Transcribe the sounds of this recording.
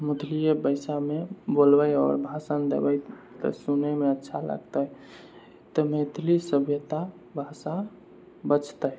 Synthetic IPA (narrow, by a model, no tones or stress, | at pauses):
mut̪ʰlijebəɪsamebolbəjɔ̰ːɾbʱasənd̪ḛbəj | t̪ə̰sunemeətːʃʰalə̰ɡt̪əj | t̪əmet̪lisəbʱjət̪a | bʱasa | bət͡ʃʰt̪əj